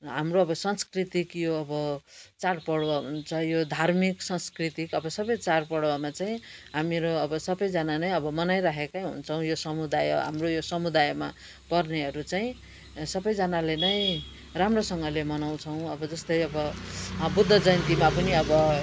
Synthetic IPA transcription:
ɦamroʌbʌsʌnskrit̪ikjoʌbʌt͡saɽpʌɽwaɦunt͡sʰʌjod̪ʱarmiksʌnskrit̪ikʌbʌsʌbʌjt͡saɽpʌɽwamat͡saĩɦamiɾoʌbʌsʌbʌjd͡zʌnanʌjʌbʌmʌnajɾaɦʰekaɦṵnt͡sʰʌw̃josʌmud̪ajɦa̰mrojosʌmud̪ajma̰ | pʌrneɦʌɾut͡saĩ | sʌbʌjd͡zʌnalenʌj̃ | ramrosʌŋɡʌlemʌnaw̃t͡sʰʌw̃ʌbʌd͡zʌst̪ʌjʌbʌbud̪ʱːʌd͡zʌjnt̪imapʌniʌbʌ

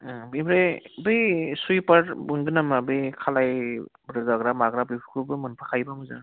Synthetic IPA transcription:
bibɾebɯjsujpaɾbuŋɡɯnamabɯjkʰalajbɾɯɡaɡɾamaɡɾabɯjpʰu̥kʰubɯmɯnpʰakʰajbamɯza̰

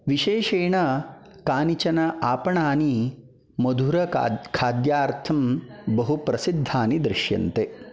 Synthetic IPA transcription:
ʋiʃeːʃeːɳɐkaːnit͡ʃɐnɐʔaːpɐɳaːni | mɐd̪ʱuɾɐkʰaːd̪jaːɾt̪ʰɐmbɐɦupɾɐsid̪ʱːaːnid̪ɾɪʃjɐ̰nt̪e

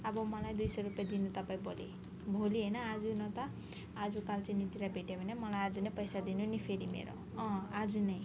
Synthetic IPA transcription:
ʌbʌmʌlajd̪ujsʌɾupjad̪inut̪ʌpaĩbʱolḭ | bʱoliɦʌjnʌːd͡zunʌt̪ʌː | d͡zukalt͡sajnit̪iɾabʱeʈjabʱʌnemʌlajad͡zunʌjpʌjsad̪inunipʰeɾimḛɾo̰ | ʌ̃ad͡zunʌj

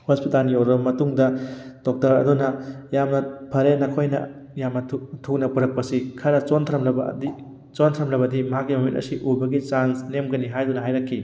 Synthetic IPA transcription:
hospitalnioɾɐbɐmɐtuŋdɐd̥ɔk̚tɐɾɐ̰dunɐjamnɐpʰɐɾenɐkʰojnɐ̰ | jamɐtʰuk̚nɐpuɾɐk̚pɐsikʰɐɾɐt͡ʃontʰɾɐmlɐbɐ̰di | t͡ʃontʰɾɐmlɐbɐdimɐɦakːimɐmintɐ̰siʔubɐɡit͡ʃansnemɡɐniɦajdunɐɦajɾɐkʰːi

